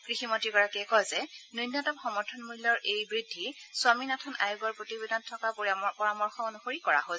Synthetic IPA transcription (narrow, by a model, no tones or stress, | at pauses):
kɹiximɔtiɡɔɹakiɛkɔjzɛnunːatɔmxɔmɔɹtʰɔnmulːɔɹejbɹidʱːisʊaminatʰɔna̰juɡɔɹpɹotibedʱantʰːɔkappɔɹamɔɹxɔonuxoɹikɔɹa̰ɦo